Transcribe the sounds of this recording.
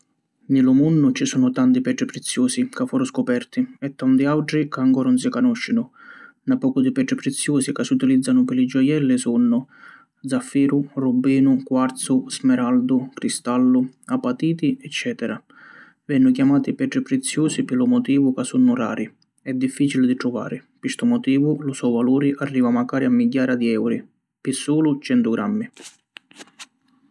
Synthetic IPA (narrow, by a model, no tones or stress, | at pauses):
nilʊmunːʊt͡ʃisuːnʊt̪ant̪ipɛʈɾipɾɛt̪sːjɔːsikafːuːɾʊskʊpɛrt̪iɛt̪ːant̪iawʈɾikaaŋkɔːɾʊns̬ikanɔʃːɪnʊ | napːɔːkʊd̪ɪpɛːʈɾipɾɪt̪sːjɔːsikasːiut̪ilid̪zːanʊpɪlɪd͡ʒɔjɛlːɪsunːʊ | d̪zafːiːɾʊrubːiːnʊkwaɾt̪sʊz̥mɛɾald̪ʊkɾist̪alːʊapːat̪iːt̪iɛt͡ʃːɛːt̪ɛɾa | vɛnːʊkjamaːt̪ipɛʈ̪ɾɪpɾɪt̪sːjuːsipɪlʊmɔt̪iːvʊkasːunːʊra̰ːɾʔi | ɛd̪ːifːiːt͡ʃilɪd̪iʈ̪ɾʊva̰ːɾɪpist̪ʊmɔt̪iːvʊlʊsɔjvaluːɾiʔarːiːvamakaːɾiamːiɟːaːɾad̪iɛwɾi | pɪsːuːlʊt͡ʃɛnt̪ʊɡɾʔamːi